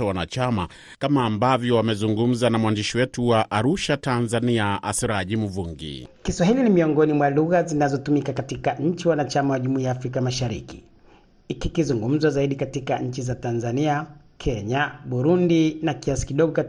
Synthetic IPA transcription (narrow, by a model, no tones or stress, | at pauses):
awanat͡ʃama | kamaːmbavjɔwamɛzuŋɡum̩zanamwandiʃiwɛtuwaʔaɾuʃatanzaniaa̰siɾaʄim̩vuŋɡḭkiswaɦilinimiɔŋɡɔnimwaluɣazinazɔtumikakatikaɲ̩t͡ʃiwanat͡ʃamawaʄumuiaːfɾikamaʃaɾḭki | ikikizuŋɡum̩zazaiɗikatikaɲ̩t͡ʃizatanzania | kʰɛɲaɓuɾundinakiasi̥kiɗɔɡɔka